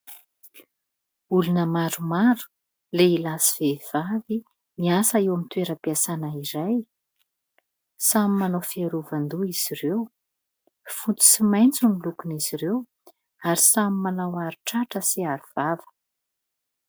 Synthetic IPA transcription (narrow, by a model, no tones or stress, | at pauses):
ulunəmaɾumaɾu̥ | leilasiv̥ev̥avi | miasaewamit̪weɾəpiasanaiɾaj | samimanawfiaɾuvand̪uiz̥irew | fut͡s̪u̥simajnt͡sumilukuniz̥iɾew | aɾisamimanawaɾiʈ͡ʂaʈ͡ʂəsiaɾuv̥avə̥